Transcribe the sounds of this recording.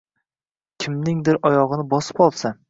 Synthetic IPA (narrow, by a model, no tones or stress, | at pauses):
kʲʰɪmnɪŋd̪ɪɾʔɒjɒʁɨnɪbɒsɪ̥pɒlˠsa